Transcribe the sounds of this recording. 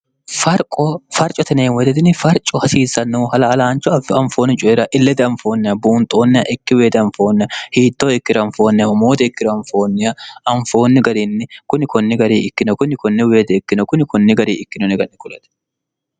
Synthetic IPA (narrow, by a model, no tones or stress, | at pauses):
fɐɾkʼɔfɐɾt͡ʃʼɔt̪ɐneːnwɔd̪ɛd̪ɪnɪfɐɾt͡ʃʼɔhɐsiːzːɐnːuːhɐlɐːlaːnt͡ʃːɔɐfɐɱfoːnːɪt͡ʃʼʊɛɾɐʔɪlːɛd̪ɛɐɱfo̞ːnːɪjɐbuːnt̪ʼːoːnːɪjɐʔɪkːɪweːd̪ɐɱfo̞ːnːɪɐhiːt̪ːoːɪkːɪɾɐɱfo̞ːnːɪjɐhʊmoːt̪ɛɪkːɪɾɐɱfo̞ːnːɪjɐɐɱfo̞ːnːɪɡɐɾinːɪkʊnɪkɔnːɪɡɐɾiːɪkːɪnɔkʊnɪkɔnːɪweːd̪ɛɪkːɪnɔkʊnɪkʊnːɪɡɐɾḭːɪkːɪnɔnɛɡɐnːɪkʊlɐ̰t̪ɛ̥